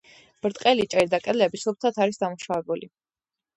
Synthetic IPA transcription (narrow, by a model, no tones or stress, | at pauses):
b̥ɾt̪ʼqʼɛlit͡ʃʼɛɾid̪akʼɛlɛbisɔp̚ʰt̪ʰat̪ʰaɾisd̪amuʃavɛbuli